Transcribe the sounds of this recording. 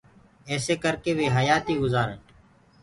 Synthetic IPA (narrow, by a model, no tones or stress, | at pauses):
eːseːkəɾkeːʋeːɦəjaːt̪iːɡʊzaːɾəɳʈ